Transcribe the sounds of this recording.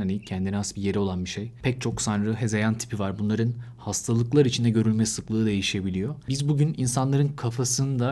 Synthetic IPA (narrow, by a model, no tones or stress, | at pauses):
anicʰɛnd̪iniasbije̞ɾio̞lˠanbiʃejpʰɛc̚t͡ʃʰo̞ksanɾɯɦɛzejant̪ʰi̥pʰivaɾbunlˠaɾɯnhast̪ʰalˠɯklˠaɾɯit͡ʃʰind̪ɛɟø̞ɾylʲmɛsɯklˠɯːd̪e̞jiʃe̞bilʲijo̞bizbuɟyninsanlˠaɾɯnkʰafasɯnd̪a